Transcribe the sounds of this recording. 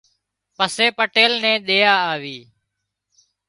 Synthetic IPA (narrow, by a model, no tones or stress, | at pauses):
pəseːpəʈeːlnɛ̃ːɗ̪eːaːaːʋiː